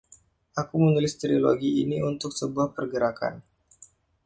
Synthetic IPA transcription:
ʔakumənulɪst̪ɾilo̰ɡiːniunt̪ʊksəbuahpərɡəɾaka̰n

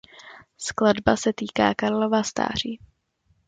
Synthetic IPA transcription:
skladbasɛt̪iːka̰ːkaɾlovast̪a̰ːr̝iː

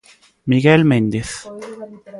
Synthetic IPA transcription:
miɡelmend̪eθ

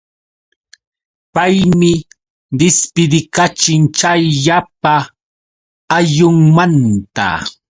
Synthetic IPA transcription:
pajmɪ | d̪ɪspɪd̪ɪkat͡ʃɪŋt͡ʃajʎap̚a | jʊŋmant̪a̰

